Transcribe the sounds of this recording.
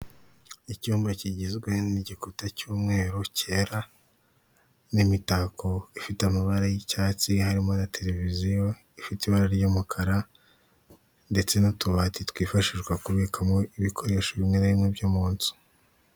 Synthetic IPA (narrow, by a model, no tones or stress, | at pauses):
icuːmbaciɟizɡwe̞niɟikutacuːmŋe̞ːɾoce̞ɾa | nimitakʰo̞ifitamaβaɾajicaːt͡sihaɾimonatʰe̞ɾe̞vizijo̞ | ifitiβaɾaɾjomukʰaɾa | nde̞t͡se̞notuβaːtitwiːfaʃiʒɡwakuβikʰamoiβikʰo̞ɾe̞ːʃoβimŋenaβimŋebjomuːnsu̥